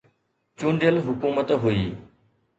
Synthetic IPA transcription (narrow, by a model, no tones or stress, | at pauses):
t͡ʃũːɳɖɪjəlɦʊkuːmət̪ɦuiː